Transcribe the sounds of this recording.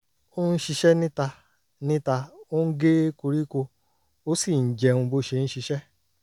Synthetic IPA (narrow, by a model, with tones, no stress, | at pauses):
o˦n̩˦ʃi˧ʃɛ˦nĩ˦ta˧ | nĩ˦ta˧o˦n̩˦ɡe˦ko˧ɾi˦ko˧ | o˦si˦˨n̩˨d͡ʒɛ˧ũ˧bo˦ʃe˧ñ̩˦ʃi˧ʃɛ˦